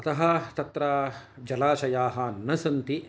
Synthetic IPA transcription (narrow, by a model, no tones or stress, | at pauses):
ɐt̪ɐɦɐt̪ɐt̪ɾaː | d͡ʒɐlaːʃɐjaːɦɐ̆nɐsɐnt̪i